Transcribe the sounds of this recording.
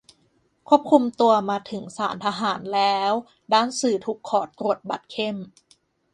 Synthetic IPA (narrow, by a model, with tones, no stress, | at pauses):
kʰu˥˩əp̚kʰu˧mt̪u˧ɐmaː˧t̪ʰɯ˩˦ŋsaː˩˦nt̪ʰa˧ɦaː˩˦nlɛː˦˥w | daː˥˩˨nsɯː˨˩t̪ʰuː˨˩kʰːɔː˨˩˦t̪ɾu˨˩ət̪̚ba˨˩t̪̚kʰe˥˩m